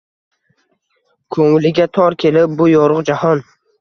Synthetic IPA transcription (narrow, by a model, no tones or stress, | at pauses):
kʰoŋɪlɪɡʲat̪ʰɒɾkʲʰe̞lɪp̚bʊjɒɾʊqd͡ʒahɒn